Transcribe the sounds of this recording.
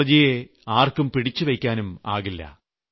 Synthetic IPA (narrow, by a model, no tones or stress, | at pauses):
ɐd͡ʑije | aːrkumpiɽit͡ɕːɨʋɐjkʲːaːnuma̰ːɣilːɐ̰